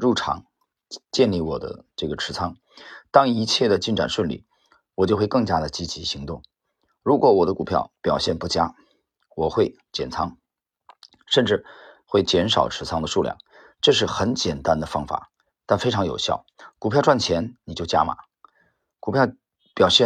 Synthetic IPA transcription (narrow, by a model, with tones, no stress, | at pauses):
ɻu˥˩ʈ͡ʂʰɑ̰˧˥ŋ | t͡ɕjɛ˥˧nli˥˩wɔ˨˩d̪ə̰˦ʈ͡ʂɤ˥˩ɡə˩ʈ͡ʂʰɻ̩˧˥t͡sʰɑ˥ŋ | t̪ɑ˥ŋi˧˥t͡ɕʰjɛ˥˩d̪ə˩t͡ɕi˥˩nʈ͡ʂa̰˨˩nʂwə˥˩nlḭ˥˩ | wɔ˨˩t͡ɕjo˥˧xwe˥˧kɤ˥˩ŋt͡ɕja˥d̪ə˨t͡ɕi˧˥t͡ɕi˧˥ɕi˧˥ŋt̪ʊ˥˩ŋ | ɻu˧˥kwɔ˧˥wɔ˨˩d̪ə˦ku˨˩pʰjɑ˥˩ʊpjɑ˨˩ʊɕjɛ˥˧npu˥˩t͡ɕja˥ | wɔ˨˩xwe˥˩ɪ | t͡ɕjɛ̰˨˩nt͡sʰɑ˥ŋ | ʂə˥˧nʈ͡ʂɻ̩˥˧xwe˥˩ɪt͡ɕjɛ˧˥nʂɑ̰˨˩ʊʈ͡ʂʰɻ̩˧˥t͡sʰɑ˥ŋd̪ə˨ʂu˥˧ljɑ̰˥˩ŋ | ʈ͡ʂɤ˥˧ʂ̬ɻ̩˥˩xə˧˥nt͡ɕjɛ˨˩nt̪a˥nd̪ə˨fɑ˥ŋfa̰˨˩˦ | t̪a˥˩nfe˥ɪʈ͡ʂʰɑ˧˥ŋjo˨˩ʊɕjɑ˥˩ʊku˨˩pʰjɑ˥˧ʊʈ͡ʂwa˥˩nt͡ɕʰjɛ˧˥nni˨˩t͡ɕjo˥˩ʊt͡ɕja̰˥ma̰˨˩˦ | ku˨˩pʰjɑ˥˩ʊ | pjɑ˨˩ʊɕjɛ˥˧